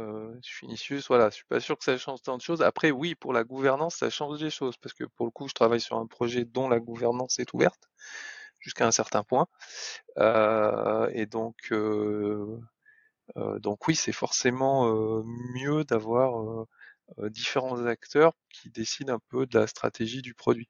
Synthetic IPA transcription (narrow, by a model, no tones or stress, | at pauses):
øʃɥiynisjysvwalaʃɥi̥pa̰syʁkə̥saʃɑ̃ʒt̪ɑ̃d̪əʃoza̰pχɛwipuʁlaɡuvɛʁnɑ̃sːa̰ʃɑ̃ʒd̪eʃozpaʁsə̥kə̰puʁləkuʒət̪χavajsy̰ʁɛ̃pχɔʒɛd̪ɔ̃laɡuvɛʁnɑ̃sɛt̪ʰuvɛ̰ʁt̪ | ʒ̥yskaɛ̃sɛʁt̪ɛ̃pwɛ̃ | ø̰ | ed̪ɔ̃kʰø | ø̰d̪ɔ̃kwisɛfɔʁsemɑ̃ømjød̪avwaʁøː | d̪ifeʁɑ̃zakt̪œʁ | kʲʰid̪esid̪ɛ̃pød̪əlast̪χa̰t̪eʒid̪ypχɔd̪ɥi